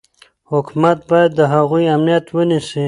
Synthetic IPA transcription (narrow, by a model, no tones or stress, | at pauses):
hʊkmat̪̚bɑjad̪ːəɦaɣujamnijat̪wənisi